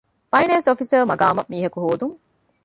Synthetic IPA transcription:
fɐjnɐnsofisɐɾmɐɡa̰ːmɐmiːɦɐkuɦoːd̪uŋ

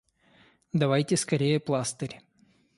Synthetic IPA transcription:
d̪ɐvajtʲɪskɐɾʲejəplˠast̪ɨɾʲ

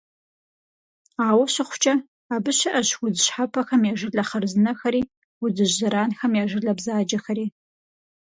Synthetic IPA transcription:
aːwɐɕɪχʷʊ̥t͡ʃʼɐ | aːbɨɕɐʔɐɕwʊzɨɕħapʰɐxɐmjaːʒɪɮɐχɐrzɨnɐxɐɾiː | wʊzɨʑzɐɾaːnxɐmjaːʒɪɮɐbzaːd͡ʒɐxɐɾiː

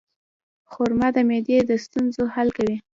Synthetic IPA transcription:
xoɾmad̪əmed̪ed̪əst̪unzohalkawi

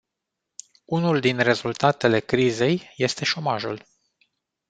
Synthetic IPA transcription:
unuld̪inre̞zult̪at̪e̞le̞kɾize̞jje̞st̪e̞ʃo̞maʒṵl

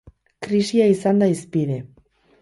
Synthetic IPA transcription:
kɾiʃjaisand̪aispiðe

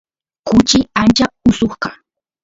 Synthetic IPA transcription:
kʊt͡ʃɪant͡ʃaʊsoχkɑ

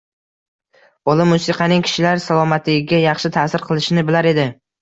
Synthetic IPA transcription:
ɒlˠɪmːʊsɪqʰɑnɪŋkʲʰɪ̥ʃɪlaɾsalˠɒmat̪ʰɪɡʲɪɡʲajɑχʃɪt̪ʰasɪɾqʰɨlˠɪʃɪnɪbɪlaɾe̞d̪ɪ

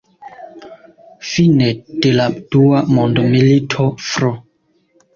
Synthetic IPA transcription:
fined̥elad̥uamondomilitʰofɾo

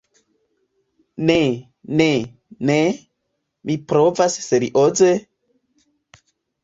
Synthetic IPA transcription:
ne | ne | ne | mipɾovasseɾḭʔoze

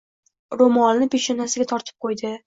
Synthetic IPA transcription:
ɾomɒnnɪpeʃenasɪɡʲat̪ʰɒɾt̪ʰɪ̥p̚qʰojd̪ɪ

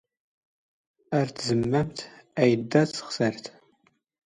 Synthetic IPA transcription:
ɐrtʰzɨmːɐmtʰɐjdɐt͡sχsɐrtʰ

